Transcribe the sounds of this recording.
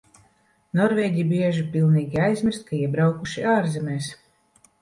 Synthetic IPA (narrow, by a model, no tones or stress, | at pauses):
nɔɾvʲɛːɟʲibʲiɛʒipilˠniːɡʲiajzmʲiɾst̪̚kʰaiɛbɾawkuʃiaːɾzɛmʲɛːs